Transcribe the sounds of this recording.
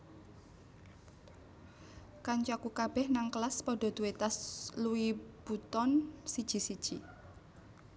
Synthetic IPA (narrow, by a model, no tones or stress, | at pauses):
kaɲt͡ʃɔkukab̥ɛhnaŋkəlaspɔɖ̥ɔ̤d̪̥uet̪asluib̥ut̪ɔnsid̥ʒ̥i̤sid̥ʒ̥i